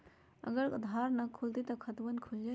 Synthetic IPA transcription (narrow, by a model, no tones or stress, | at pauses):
ə̰ɡəɾkud̪ʱaɾnɐkʰult̪it̪ɔkʰɐt̪bənkʰuld͡ʒa